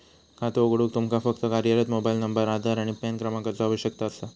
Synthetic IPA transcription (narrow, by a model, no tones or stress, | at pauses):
kat̪ooɡɽuːk̚t̪umkafəkt̪əkaɾjəɾət̪mobajilnəmbəɾad̪ʱaɾaɽ̃ipankɾəmakaɾt͡səaʋəɕjək̚t̪aəst̪a